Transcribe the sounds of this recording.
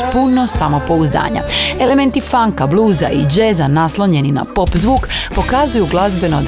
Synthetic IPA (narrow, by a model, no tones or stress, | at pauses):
punosamo̞po̞uzd̪a̰ːɲa̰e̞le̞me̞nt̪ifaŋkablˠuːzaid͡ʒezanaslˠoɲe̞nina̰po̞pzʋuːkpo̞kazujuɡlˠazbe̞no